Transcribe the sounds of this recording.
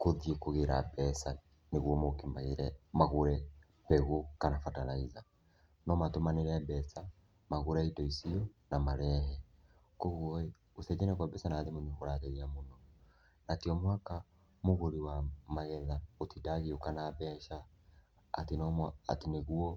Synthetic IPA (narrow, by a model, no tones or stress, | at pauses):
koðiekoɣeɾa̰bɛsa | neɣwɔmokimaeɾɛmaɣoɾɛ | pɛɣokanafatalaiza | nɔmatomaneɾɛbɛsa | maɣuɾɛitɔisiɔnamaɾɛɦɛ | kɔɣwɔ | oθɛd͡ʒɛnɛkwabɛsanaðemoɲiɣoɾaɣɛɾiamonɔ | natiɔmwaka | moɣoɾiwamaɣɛðaotidaɣiokanabɛʃa̰ː | tenɔmaa̰tineɣuɔ